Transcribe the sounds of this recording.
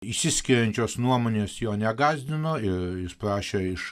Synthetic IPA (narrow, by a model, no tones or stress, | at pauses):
isʲɪsʲkʲɪɾʲɛnʲt͡ʃʲoːsnuɔmoːnʲeːsjoːnʲɛɡɑːzʲd̪ʲɪnoːɪɾjɪspɾɑːʃʲeːɪʃ